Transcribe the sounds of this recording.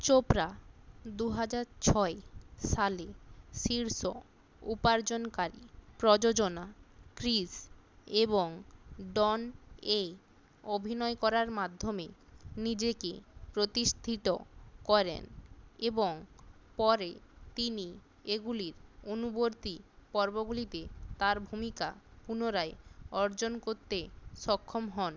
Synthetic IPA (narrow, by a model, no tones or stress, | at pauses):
t͡ɕopɾad̪uɦad͡ʑaɾt͡ɕʰɔeʃaleʃiɾso | upaɾd͡ʑonkaɾḭpɾod͡ʑod͡ʑonakɾiseboŋɖɔne | obʱinɔekɔɾaɾmad̪ʱːomenid͡ʑekḛpɾot̪iʃt̪ʰit̪okɔɾḛneboŋpɔɾet̪ini | eɡuliɾonuboɾt̪ipɔɾboɡulit̪et̪aɾbʱumika̰punoɾaeɔɾd͡ʑonkoɾt̪eʃɔkʰːomɦɔn